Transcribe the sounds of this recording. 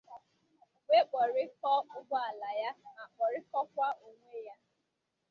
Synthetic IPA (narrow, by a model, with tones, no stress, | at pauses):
ɡ͡be˦k͡pɔ˨ɾɪ˦kɔ˦ʊ˦bɔ˦a˨la˨ja˦ma˨k͡pɔ˨ɾɪ˦kɔ˦kʷa˦o˨ŋʷe˦ja˦